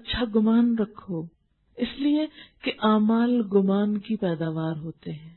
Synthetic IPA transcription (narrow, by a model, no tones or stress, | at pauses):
ɐtːʃʰaɡʊmaːnɾɐkʰːoː | ɪsliekeʔaːmaːlɡʊmaːnkipɛːd̪aːʋaːɾɦoːt̪eɦɛ̃ː